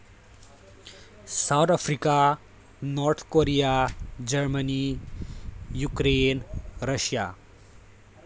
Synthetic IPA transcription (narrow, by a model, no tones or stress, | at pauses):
sawd̪apʰɾika | nɔɾt̪ʰkoɾijad͡ʒɐɾməni | jukɾenɾəʃja̰